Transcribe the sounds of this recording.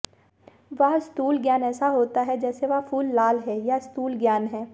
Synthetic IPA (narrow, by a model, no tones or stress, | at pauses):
ʋɐɦɪstuːlɡjaːnɛːsaɦoːt̪aɦɛd͡ʒɛːseʋɐfuːlːaːlɦɛjaɪskuːlɡjaːnɦɛː